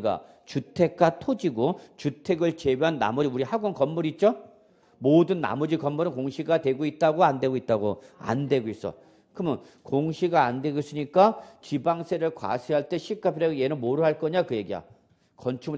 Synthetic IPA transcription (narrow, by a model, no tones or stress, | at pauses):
ɡa̰ | t͡ɕutʰe̞k̚k͈atʰod͡ʑiɡot͡ɕutʰe̞ɡɯɭt͡ɕe̞beɦanːa̰mʌd͡ʑiuɾihaɡonkʌmːuɾit̚t͡ɕ͈o | modɯnːa̰mʌd͡ʑikʌmːuɾɯnkoŋɕʰiɡatwe̞ɡoit̚t͈aɡoandwe̞ɡoit̚t͈aɡoa̰ndwe̞ɡois͈ʌ̰ | kɯmɯn | koŋɕʰiɡaːndwe̞ɡois͈ɯɲik͈at͡ɕibaŋsʰe̞ɾɯɭkwa̰sʰeɦaɭt͈e̞ɕʰik͈ʰapʰiɾeɡje̞nɯnmoɾɯɭɦaɭk͈ʌɲakɯje̞ɡia̰ | kʌnt͡ɕʰum